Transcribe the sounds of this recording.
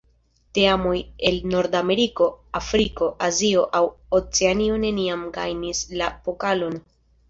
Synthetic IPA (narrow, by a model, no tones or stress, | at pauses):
te̞amo̞je̞lno̞ɾdame̞ɾiko̞afɾiko̞ʔazio̞ʔawot͡seanio̞ne̞niamɡa̰jnislapo̞kalo̞n